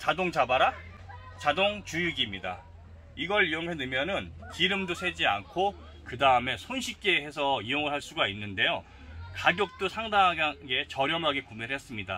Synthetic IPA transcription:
t͡ɕadoŋd͡ʑabaɾa | t͡ɕadoŋt͡ɕujuɡimɲida̰ | iɡʌɭioŋɦenɯmjʌnɯnkiɾɯmdosʰe̞d͡ʑia̰nkʰo | kɯdaɯme̞sʰonɕʰik͈eɦe̞sʰʌioŋɯɭɦaɭs͈uɡainːɯnde̞jo | kaɡjok̚t͈osʰaŋdaŋɦaɡaɡe̞t͡ɕʌɾjʌmɦaɡe̞kumeɾɯɦes͈ɯmɲida̰

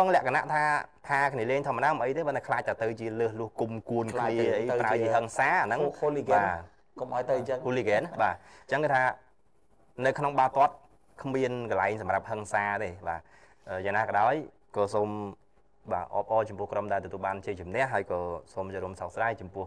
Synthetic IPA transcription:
ɔŋlɛ̆əʔkʰanaʔt̪ʰaːpʰaːkʰniəleːŋt̪ʰoəməɗaːɔmʔəjt̪eːɓənɗaɛkʰlaːc̚t̪at̪ɨwt͡ɕiələːhlʊ̆əhkumkuənkʰːniəəʔəjaət͡ɕiəɦəŋsaːanɨŋliɡɓaː | komʔaɔjt̪ɨt͡ɕəŋulikɛːnɓaːɲt͡ɕəŋkɨt̪ʰaː | nɨwkʰnoŋɓaːt̪ŏət̪̚ | kʰmiənkəlaɛŋsɑmrap̚həŋsaːt̪eːɓa̰ː | ʔəːjaːŋnaːkɑɗaɔj | kɑːsoːm | ɓa̰ːʔɑ̰ːp̚ʔɑːt͡ɕɑmpʊ̆əhkromɗaɛlt̪ɔt̪uəlɓaːnt͡ɕiət͡ɕumnɛ̆əʔɦaəjkɑːsoːmt͡ɕaɾuəmsak̚sɗaːjt͡ɕɑmpʊ̆əh

